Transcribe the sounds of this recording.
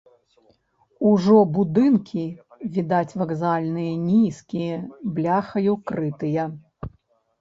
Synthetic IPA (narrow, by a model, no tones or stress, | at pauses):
uʐɔbud̪ɨnkʲivʲid̪at͡sʲvɐɡzalʲnɨjɐnʲiskʲijɐblʲaxɐjukɾɨt̪ɨjɐ